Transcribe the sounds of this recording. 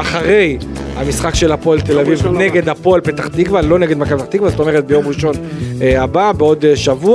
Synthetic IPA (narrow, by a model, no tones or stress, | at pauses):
aχaʁe̞jhamisχakʃe̞lapo̞alt̪elavivne̞ɡe̞d̪hapo̞alpet̪aχt̪iɡvalo̞neɡed̪makabet̪aχt̪iɡvazot̪o̞meʁet̪̚be̞jo̞mʁiʃo̞nababeo̞d̪ʃavu